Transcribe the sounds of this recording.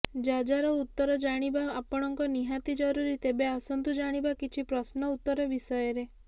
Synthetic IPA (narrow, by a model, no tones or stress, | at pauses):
d͡ʒad͡ʒaɾɔut̪ːɔɾɔd͡ʒaɽ̃ibaːpɔɽ̃ɔŋkɔniɦat̪id͡ʒɔɾuɾit̪ebeasɔnt̪ud͡ʒaɽ̃ibakit͡ʃʰipɾɔsnɔut̪ːɔɾɔbisɔjɔɾe